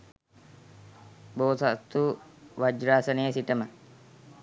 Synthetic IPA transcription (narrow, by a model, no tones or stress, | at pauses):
boːsat̪ːuʋad͡ʒɾaːsɐnejːsiʈəmə